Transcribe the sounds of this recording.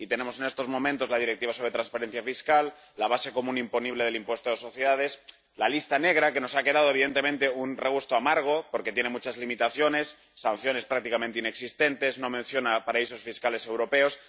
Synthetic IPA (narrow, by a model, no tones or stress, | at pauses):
it̪e̞nẽ̞mo̞sene̞st̪o̞zmõ̞mẽnt̪o̞zlað̞iɾekt̪iβaso̞βɾe̞t̪ɾanspaɾe̞nθjafiskalː | aβ̞ase̞ko̞mũnimpo̞niβle̞ð̞e̞limpwe̞st̪oðeso̞θjeðaðe̞s | lalist̪ane̞ɣ̞ɾake̞no̞sake̞ð̞að̞oe̞βiðe̞nt̪e̞mẽnt̪e̞unreɣ̞ust̪oamaɾɣ̞o̞po̞ɾke̞t̪je̞nemut͡ʃazlimit̪aθjo̞ne̞sːanθjo̞nespɾak̚t̪ikamẽnt̪eine̞ksist̪e̞nt̪e̞zno̞mẽ̞nθjonapaɾaiso̞sfiskale̞se̞wɾo̞pe̞o̞s